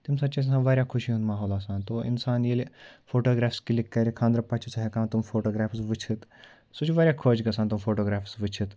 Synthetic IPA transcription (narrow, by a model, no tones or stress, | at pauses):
t̪imsɐt̪ːt͡ʃas̬sãːnʋaːɾʲjakʰʊʃiɦũnd̪maːɦoːlaːsaːnt̪oːʔɪ̰nsaːnjelifoːʈoːɡɾaːfskilikːɐɾikʰãːnd̪ɾɐpɐt͡ʃʰut͡sʰaɦikãːnt̪umfoːʈoːɡɾaːfsʋit͡ʃʰit̪ | sut͡ʃʰiʋaːɾʲjaːkʰoːt͡ʃɡɐsaːnt̪umfoːʈoːɡɾaːfsʋit͡ʃʰit̪